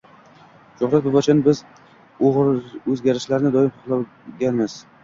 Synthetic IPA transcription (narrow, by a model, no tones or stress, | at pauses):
ʃʊχɾat̪̚bɪbat͡ʃʰanbɪz | oʁɾɵzɡʲaɾɪʃlaɾnɪd̪ɒɪmhʊχlˠaw | ɡʲanmɪz̥